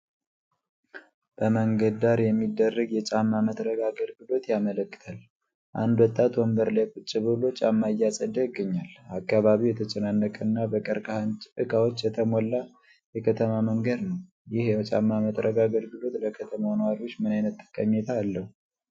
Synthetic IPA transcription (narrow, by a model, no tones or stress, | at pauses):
b̥əməŋɡəd̪d̪aɾjɛmːid̪ːərːəɡjɛt͡ʃʼamːamət̪ʼɾəɡaɡəlɡɨlo̞t̪jamələkːɨ̥t̪ʰal | ʔa̰nd̪wɔt̪ʼːat̪wɔmbəɾlajkut͡ʃʼːiβɨlo̞t͡ʃʼamːaɨjasʼəd̪əjɪɡːəɲːalakʰʼːaβaβiwjɛt̪ʰət͡ʃʼənanːəkʼənːabəkʼəɾkʰahant͡ʃʼɨkʰawot͡ʃːjɛt̪ʰəmolːa | jɛkʰət̪ʰəmaməŋɡəd̪nəw | jɪhjt͡ʃʼa̰mːamət̪ʼɾʔəɡaɡəlɡɨlo̞t̪ləkʰət̪ʰəmanəwaɾiwo̞t͡ʃːmɨnajnət̪ːɨ̥kʼəɲːɛt̪ʰaːlːəhu